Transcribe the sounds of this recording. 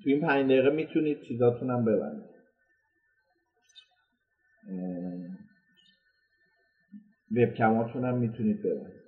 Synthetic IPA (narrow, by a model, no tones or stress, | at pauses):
t̪ʰuiːnpʰænd͡ʒd̪eiɣemiːt̪ʰuniːd̪̥̚t͡ʃʰiːzɒːt̪ʰunæmbe̞bæ̰nd̪id̪̥ | vep̚cʲʰæmɒːt̪ʰunæmːiːt̪ʰuniːd̪̚be̞bæ̰nd̪iːd̪̥